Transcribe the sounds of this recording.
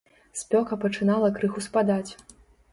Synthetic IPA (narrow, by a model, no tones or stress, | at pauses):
sʲpʲɔkɐpɐt͡ʂɨnalˠɐkɾɨxuspad̪at͡sʲ